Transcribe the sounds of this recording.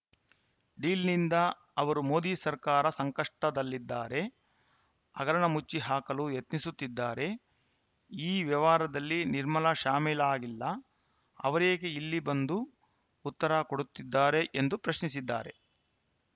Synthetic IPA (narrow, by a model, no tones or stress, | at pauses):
ɖiːlnind̪ɐ | ɐʋɐɾumo̞ːd̪iːsɐɾkaːɾɐsɐŋkɐʂʈɐd̪ɐlːid̪ːaːɾe̞ | ɐ̰ɡɐɾɐɳɐmut͡ʃːiɦaːkɐlujet̪nisut̪ːid̪ːaːɾe̞ | iːʋjɐʋaːɾɐd̪ɐlːiniɾmɐlɐʃaːmiːlaːɡilːɐ | ɐ̰ʋɐɾeːɡeilːibɐnd̪uː | t̪ːɐɾakoɽut̪ːid̪ːaːɾe̞ʔend̪upɾɐʃnisid̪ːa̰ːɾe̞